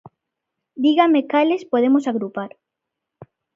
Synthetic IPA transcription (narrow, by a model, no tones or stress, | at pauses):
d̪iɣamekalespoðemosaɣɾupaɾ